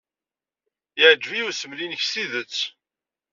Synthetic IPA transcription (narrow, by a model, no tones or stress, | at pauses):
ɪʕd͡ʒːviusəmlinəçsiðət͡sː